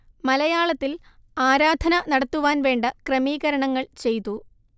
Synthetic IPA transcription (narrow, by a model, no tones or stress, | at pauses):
mɐlɐjaːɭɐt̪ːil | aːɾaːd̪ʱɐnɐnɐɽɐt̪ːuʋaːnʋe̞ːɳɖɐkrɐmiːɣɐɾɐɳɐŋːɐɭt͡ɕe̞jt̪ːu